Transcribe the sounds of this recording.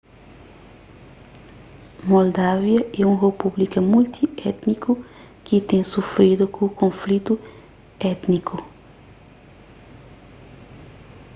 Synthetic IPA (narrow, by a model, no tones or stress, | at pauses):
mold̪avjɐɛũrepublikɐmult̪ʰiɛt̪nikʰu | kit̪ẽsufɾid̪ukʰũkʰõflit̪u | ɛt̪nikʰu